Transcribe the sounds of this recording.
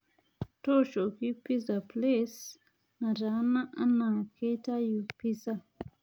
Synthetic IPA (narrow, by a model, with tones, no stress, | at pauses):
tɔ˦ʃo˨ki˦pi˦sa˨ples | na˨ɾa˨˦na˦ʔa˦na˨kʰe˦ta˦ju˨pi˦sa˦